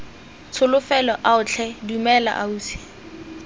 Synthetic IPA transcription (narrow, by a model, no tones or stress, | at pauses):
t͡sʰʊlʊfɛlɔʔaʊt͡ɬʰɛdumɛla̰ʔa̰uːsɪ̥